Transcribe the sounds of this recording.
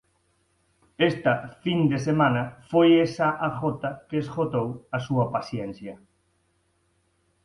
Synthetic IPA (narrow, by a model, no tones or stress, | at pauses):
est̪ɐfind̪esemãnɐfojesaʔaxɔt̪ɐkeːsxot̪owɐsuɐpaθjɛn̟θjɐ